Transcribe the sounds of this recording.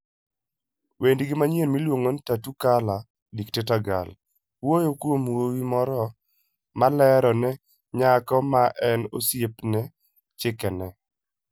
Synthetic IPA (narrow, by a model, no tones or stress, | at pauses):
wendɡɪmaɲjenmilwoŋontatukala | diktetaɡa̰l | wojokwomwowimɔɾɔ | malɛɾɔnɛ | ɲakɔmaʔɛno̰sjepnɛ | t͡ʃɪkɛnɛ